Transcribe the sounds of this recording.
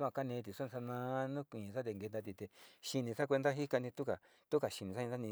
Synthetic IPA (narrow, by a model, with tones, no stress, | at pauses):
ã˧ka˦nẽ˧t̪̬i˨sn˧a˧nã˧nũ˦kʷĩ˨˧sa˦t̪e˧ŋɡe˧nd̪a˧t̪̬i˧t̪e˨ʃi˧nĩ˧sa˦kʷe˧nd̪a˦ɦi˦ka˧nĩ˧t̪u˦ka˨ | t̪u˦ka˨ʃi˧nĩ˨sa˦ĩ˧a˦nĩ˧